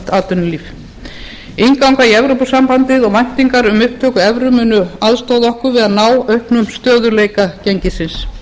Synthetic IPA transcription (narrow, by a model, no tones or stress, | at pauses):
t̪aːt̪ʏnliːf | ejŋkawŋkaiɛvɾowpusampant̪ɪðɔɣvajn̥t̪iŋkaɾʏmʏhp̚t̪ʰœːkʏɛvɾʏmʏnʏaðst̪oːwðɔhkʏɾvɪðaðnaːwœɥhpnʏmst̪œːðʏleːjkacɛɲcɪsɪns